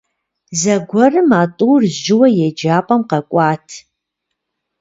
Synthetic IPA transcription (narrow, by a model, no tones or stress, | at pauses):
zɐɡʷɔrɨmaːtʼuwrʑʒɪwɐjɛd͡ʒaːpʼɐmqɐkʷʼɑːtʰ